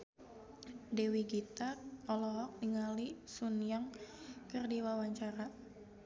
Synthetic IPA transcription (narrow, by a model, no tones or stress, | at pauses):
dewiɡit̪aɔlɔɦɔk̚niŋalisunijaŋkɨrdiwawaɲt͡ʃaɾa